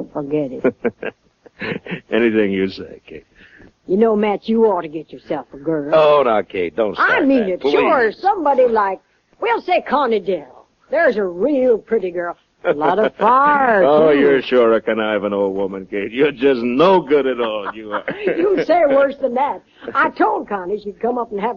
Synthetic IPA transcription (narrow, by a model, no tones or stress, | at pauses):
fə˞ɡɛɾɪt | ʔɛniθɪ̃ŋjɨseɪkʰeɪt̚ | jɨnoʊmæt͡ʃjɨɔtɨɡɛt͡ʃə˞sɛlˠfəɡɜ˞lˠoʊnoʊkʰeɪd̥õʊ̃nsaɪmĩnɨtʃʃʊɹsʌ̃mbɑɾilaɪk̚ | wilˠseɪkʰɑnɨdɛ | ðə˞ɨzɨɹilˠpʰɹ̥ɪɾiɡɜ˞lˠ | lɔɾʌv̥faoʊjə˞ʃʊɹəkɨ̃naɪvə̃noʊlˠd̚wʊmɨ̃nkʰeɪtjə˞d͡ʒʌsnoʊɡʊɾɨɾɔlˠjɨjəseɪwɜ˞sðɨ̃nðæt̚ | aɪtʰoʊlˠd̚kʰɑniʃɨd̚kʰʌ̃mʌpn̩əv